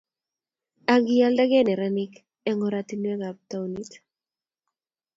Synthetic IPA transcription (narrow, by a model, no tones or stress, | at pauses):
aŋɡijaldaɡeneɾanik | ɛŋɔɾat̪inueŋap̚t̪aunit̪